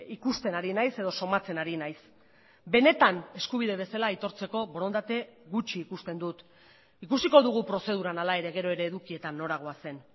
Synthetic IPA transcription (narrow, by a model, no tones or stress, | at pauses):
ikust̪e̞naɾinajse̞ðo̞so̞mat͡se̞naɾinajs | be̞ne̞t̪ane̞skuβ̞iðe̞β̞e̞salait̪o̞ɾt͡se̞ko̞βoɾo̞nd̪at̪e̞ɣut͡ʃiːkust̪e̞nd̪ut̪ | ikusiko̞ðuɣ̞upɾo̞se̞ð̞uɾanalae̞ɾe̞ɣ̞e̞ɾo̞e̞ɾe̞ːðukie̞t̪anːo̞ɾaɣ̞o̞ase̞n